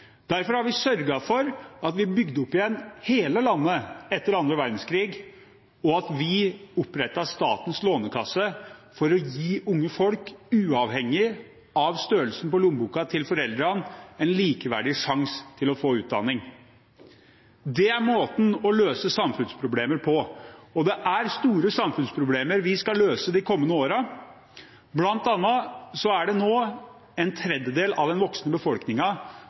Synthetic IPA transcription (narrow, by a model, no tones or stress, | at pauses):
d̪æɾfɔɾhɑɾʋɪsœɾɡɑfɔɾɑt̪ʋɪbʏɡd̪əʊpːɪjɛnheːləlɑnːəɛt̪ːəɾɑnd̪ɾəʋæɾd̪n̩skʰɾiːɡ | ɔɑt̪ʋɪʊpɾɛt̪ːɑst̪ɑːt̪ənsloːnəkʰɑsəfɔɾɔjiːʔʊŋːəfɔlkʉːɑʋhɛŋːɪ | ɑʋst̪øːɾəlsn̩pɔlʊmbuːkɑt̪ʰɪlfɔɾɛld̪ɾɑnɛnliːkəʋæ̰ɖɪʂɑŋst̪ʰɪlɔfoːʉːt̪̚d̪ɑ̰nːɪŋ | d̪ɛæɾmoːt̪n̩ɔløːsəsɑmfʉnspʰɾʊbleːməɾpʰɔɔd̪ɛʔæɾst̪uːɾəsɑmfʉnspʰɾʊbleːməɾʋɪskɑløːsəd̪ɪkʰɔmːənəoːɾə | blɑnt̪ɑnːɑsɔæɖɛnoː | ɛnt̪ʰɾɛd̪jəd̪eːlɑ̰ʋd̪ɛnʋɔksnəbəfɔlknɪŋɑ